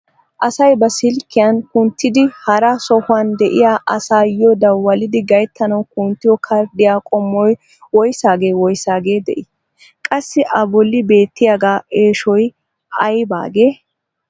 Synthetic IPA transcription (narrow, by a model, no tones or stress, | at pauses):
ʔɐsɐjbɐsɪlkːɪjankʊnt̪ːɪd̪ɪhɐɾasɔhʊɐnd̪ɛʔɪjaːʔɐsaːjɔd̪ɐwːɐlɪd̪ɪɡɐjt̪ʰːɐnɐwkʊnt̪ːɪjɔkʰɐɾd̪ɪjaːkʼɔmːɔj | wɔjsaːɡe̞ːwɔjsaːɡe̞ːd̪ɛ̰ʔɪ | kʼɐsːɪʔɐbɔlːɪbe̞ːt̪ːɪjaɡaːʔeːʃɔj | ɐjba̰ːɡe̞ː